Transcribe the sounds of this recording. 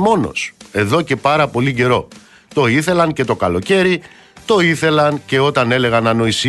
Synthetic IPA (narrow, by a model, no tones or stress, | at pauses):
mo̞no̞̰se̞ðo̞ce̞pɐɾɐpo̞liɟe̞ɾo̞ | t̪o̞iθe̞lɐŋce̞t̪o̞kɐlo̞ce̞ɾi | t̪o̞iθe̞lɐnce̞o̞t̪ɐne̞le̞ɣɐnɐno̞is